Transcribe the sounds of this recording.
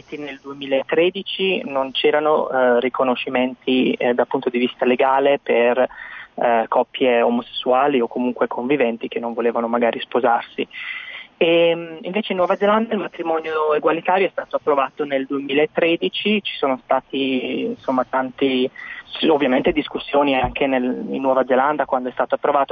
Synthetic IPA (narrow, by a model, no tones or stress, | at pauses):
it̪ineld̪uemiːlaet̪ːɾeːd̪it͡ʃinont͡ʃɛːɾano̰rikʰonoʃːiment̪ʰid̪apːunt̪od̪ivist̪aleɡaːleper | kʰɔpːjeomose̥sːuaːliokːomuŋkwekʰoɱvivɛnt̪ik̟enːoɱvoleːvanomaɡaːɾispozarsi | emiɱveːt͡ʃeinːwɔːvad̪zeland̪ailmat̪ɾimɔnjoeɡwalit̪aːɾjoɛst̪aːt̪oapːɾovaːt̪oneld̪uemiːlaet̪ːɾed̪it͡ʃit͡ʃi̥soːnost̪aːt̪insomːat̪ant̪i | ovːjamẽnt̪ed̪iskusːjoːniaŋk̟ʰenelinːwɔːvad̪zeland̪akwand̪oɛst̪aːt̪oapːɾovaːt̪o